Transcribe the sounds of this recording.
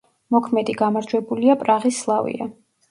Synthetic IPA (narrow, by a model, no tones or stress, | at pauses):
mɔkʰmɛd̪iɡamaɾd͡ʒwɛbuliapʼɾaʁisːlˠavḭa̰